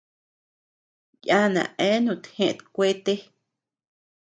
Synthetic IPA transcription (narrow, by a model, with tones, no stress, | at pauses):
ja˦nã̰˨ʔẽ˦nũ˧˨t̪hẽ˦ʔt̪kʷe˦t̪e˦